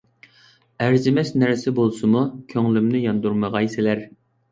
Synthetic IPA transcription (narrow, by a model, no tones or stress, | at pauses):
æɾd͡ʒɪmɛʃnæɾsɪbolˠsɨmukʲʰøŋlymnɪjɑnd̪uɾməʁɑjsɪlæɾ